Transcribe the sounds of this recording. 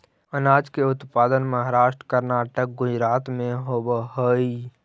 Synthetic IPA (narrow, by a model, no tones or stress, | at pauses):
ənaːd͡ʒkeʊt̪paːd̪ənməɦaɾaːʃʈɾə̥kəɾnaːʈək̚ɡʊd͡ʒɾaːt̪mẽɦobəɦoi